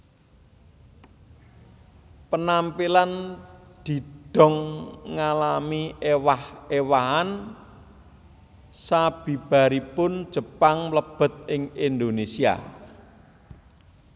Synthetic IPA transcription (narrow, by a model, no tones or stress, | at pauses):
pənampiland̪̥i̤d̪̥ɔ̤ŋːalamiʔewahewaɦan | sab̥i̤b̥a̤ɾipʊnd̥ʒ̥ə̤paŋləb̥ə̤t̪̚ɪŋind̪onesia̰